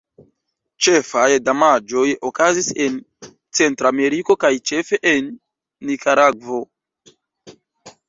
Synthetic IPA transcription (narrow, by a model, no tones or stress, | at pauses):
t͡ʃe̞fajdamad͡ʒo̞jokazise̞n | t͡se̞ntɾame̞ɾiko̞kajt͡ʃe̞fe̞ʔenː | ikaɾaɡvo̞